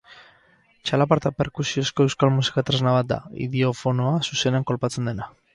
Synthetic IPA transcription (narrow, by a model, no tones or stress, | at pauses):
t͡ʃalapaɾt̪ape̞ɾkusio̞sko̞e̞wskalmusi̥kat̪ɾeznaβ̞at̪̚d̪a̰ḭðio̞fo̞noasuse̞neaŋko̞lpat͡se̞nd̪e̞na